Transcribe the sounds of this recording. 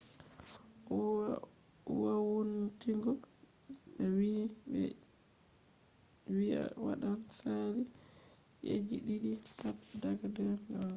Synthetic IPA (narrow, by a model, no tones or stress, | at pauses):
uwawuntiŋɡɔ | ɓɛwi | wia̰wa̰ɗansaɾi | jḛd͡ʒiɗiɗitatdaɡadɛɾŋɡa